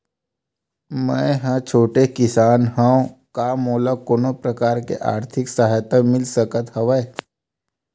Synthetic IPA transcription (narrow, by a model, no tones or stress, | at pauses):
mə̃ɦãt͡ʃʰoːʈekɪsaːnɦãõkaːmoːlakoːnopɾɐkaːɾkḛʔa̰ːɾt̪ʰɪksaɦjt̪amɪlsəkət̪hɐʋəe